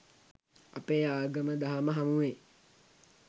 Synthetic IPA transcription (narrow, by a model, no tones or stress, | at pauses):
apeːaːɡəməd̪aɦaməɦamuʋe